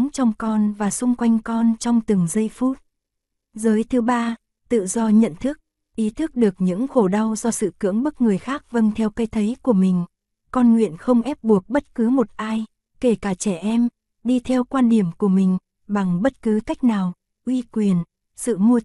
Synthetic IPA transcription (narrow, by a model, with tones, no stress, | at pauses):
ŋt͡ɕɔ˧wŋ͡mkɔ˧nvaː˨˩sʊ˧ŋ͡mkwa˧jŋ̟kɔ˧nt͡ɕɔ˧wŋ͡mt̪ɨ˨˩ŋzə˧jfu˦˥t̚ | zəː˨˦jt̪ʰɨ˨˦ɓaː˧ | t̪ɨ̰˧˨zɔ˧ɲə̰˧˨nt̪ʰɨ˦˥ək̚ | ʔi˨˦t̪ʰɨ˦˥k̚ɗɨ˨˩ək̚ɲɨ̰˧˥ŋxo˧˩ɗa˧wzɔ˧sɨ̰˧˨kɨ̰˧˥əŋɓə˦˥t̚ŋɨ˨˩əjxaː˦˥k̚və˧nt̪ʰɛ˧wka˧jt̪ʰə˨˦jku˧˩əmï˨˩ŋ̟ | kɔ˧nŋwḭ˧˨ənxə˧wŋ͡mʔɛ˦˥p̚ɓu˨˩ək̚ɓə˦˥t̚kɨ˨˦mo˨˩t̚ʔaː˧j | ke˧˩kaː˧˩t͡ɕɛ˧˩ʔɛ˧m | ɗi˧t̪ʰɛ˧wkwaː˧nɗi˧˩əmku˧˩əmï˨˩ŋ̟ | ɓa˨˩ŋɓə˦˥t̚kɨ˨˦ka˦˥jk̟̚naː˨˩w | ʔwi˧kwi˨˩ən | sɨ̰˧˨mu˧